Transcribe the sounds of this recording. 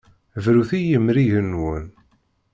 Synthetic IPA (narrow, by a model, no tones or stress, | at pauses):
vɾuθijəmːɾiʝənwən